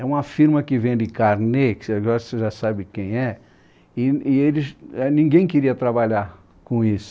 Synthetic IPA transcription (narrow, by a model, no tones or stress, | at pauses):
ɛũmɐfiɾmɐkɪvẽj̃d̪ɪkaɾneksaɡɔɾɐseʒasabɪkẽj̃ɛ | ɪɪelɪsɛnĩɡẽj̃kɪɾiɐt̪ɾabaʎaɾ | kõisʊ̥